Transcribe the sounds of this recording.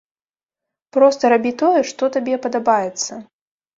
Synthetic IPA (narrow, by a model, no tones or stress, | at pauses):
pɾɔst̪ɐɾabʲit̪ɔjɛʂt̪ɔt̪abʲɛpɐd̪abajɛt̪sːɐ